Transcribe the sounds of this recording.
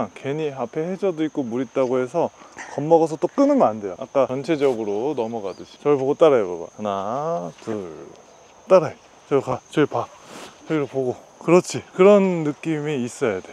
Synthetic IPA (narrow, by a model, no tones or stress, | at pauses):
ŋke̞ɲiapʰe̞hed͡ʑʌdoik̚k͈omuɾit̚t͈aɡohe̞sʰʌkʌmːʌɣʌs̬ʰʌt͈ok͈ɯnɯmandejoʔa̰k͈at͡ɕʌnt͡ɕʰe̞d͡ʑʌɡɯɾonʌmʌɡadɯd͡ʑi̥t͡ɕʌɭpoɡot͈aɾajokoba̰natɯɭ | t͈aɾa | t͡ɕʌkat͡ɕʌipat͡ɕʰʌɡiɾopoɡo | kɯɾʌt͡ɕʰikɯɾʌnːɯk͈imiːs͈ʌjade